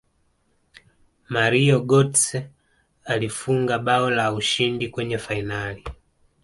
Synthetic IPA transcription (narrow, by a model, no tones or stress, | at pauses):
maɾiɔɡɔtsɛ | alifuŋɡaɓaɔlauʃindikwɛɲɛfainali